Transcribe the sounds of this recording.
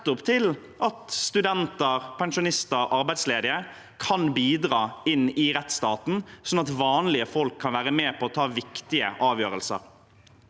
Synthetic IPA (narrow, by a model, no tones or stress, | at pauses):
t̪ːʊpt̪ʰɪl | ʔɑt̪st̪ʉd̪ɛnt̪əɾpʰɛnʃʊnɪst̪əɾʔɑɾbæɪd̪sleːd̪ɪə | kʰɑnbiːd̪ɾɑːɪnːɪɾɛt̪st̪ɑːt̪n̩sɔnːɑt̪ʋɑːnlɪəfɔlkʰːɑnʋæːɾəmeːpʰɔːt̪ʰɑːʋɪkt̪ɪəʔɑːʋjøːɾəlsə̰ɾ